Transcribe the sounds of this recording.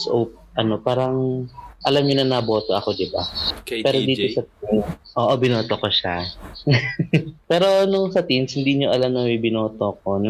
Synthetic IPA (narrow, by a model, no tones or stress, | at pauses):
sʔo̰p̚ʔɐno̞paːɾɐŋʔɐlamɲonɐnabo̞ːt̪oʔɐko̞d̪ɪba̰pɛːɾod̪iːosɐt̪̚inʔoːʔobɪnoːt̪okoʃa | pɛːɾo̞nʊŋsɐt̪inshɪnd̪iɲoʔɐlamnɐŋmibɪnoːt̪ok̚o̞nʊ